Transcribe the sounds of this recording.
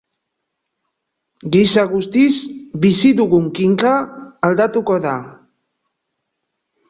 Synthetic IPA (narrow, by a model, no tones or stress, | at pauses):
ɡisaɣust̪izbisiðuɣuŋkiŋkaːld̪at̪ukoða